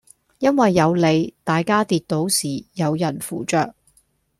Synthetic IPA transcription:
jɐ˥nwɐ˨jːɐ˨˧wle˨˧jt̪aː˨jkaː˥t̪iː˨˧t̚t̪o˨˥wsiː˨˩jɐ˨˧wjɐ˨˩nfuː˨˩t͡ʃœː˧k̚

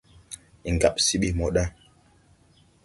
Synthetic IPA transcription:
i˨ŋɡa˨p̚si˦ɓi˦˨mɔ˨ɗa˦

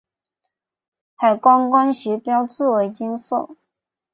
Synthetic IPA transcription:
xa˨˩ɪkwɑ˥ŋkwa˥nɕɛ˧˥pjɑ˥ʊt͡sɹ̩˥˩we˧˥ɪt͡ɕi˥ŋso˥˩ʊ

